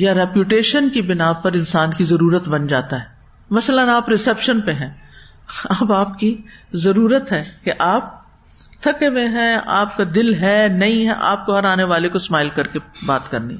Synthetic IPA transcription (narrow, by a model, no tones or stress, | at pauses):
jaɾɛːpjuʈeːʃənkibɪnaːpɐɾɪ̃nsaːnkizɐɾuːɾət̪bɐnd͡ʒaːt̪aɦɛː | mɐslənaːpɾɪsɛpʃənpeɦɛ̃ː | ɐːbaːp̚kizɐɾuːɾət̪ɦɛːkeʔaːp̚ | t̪ʰɐkemẽɦɛ̃a̰ːp̚kad̪ɪlɦɛnɐɦĩɦɛ̰ʔa̰ːp̚koɦɐɾaːneʋaːlekosmaːɪlkɐɾkebaːt̪kɐɾnḭ